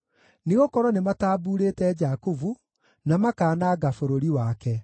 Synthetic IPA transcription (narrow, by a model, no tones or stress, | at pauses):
neɣokɔɾɔnemataːbuːɾeːtɛːd͡ʒakuvu | namakaːnaːɡafoɾoɾiwakɛ